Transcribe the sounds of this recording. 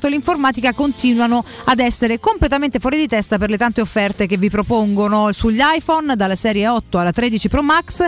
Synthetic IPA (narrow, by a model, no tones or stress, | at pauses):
t̪oliɱformaːt̪ikakont̪iːnwanoad̪ɛsːeɾekomplet̪ament̪efwɔːɾid̪it̪ɛst̪aperlet̪ant̪eofːɛrt̪ek̟evːipɾopoŋɡonosuʎːajfɔnd̪alːasɛːɾjeɔt̪ːoalːat̪ɾed̪it͡ʃipɾɔmaks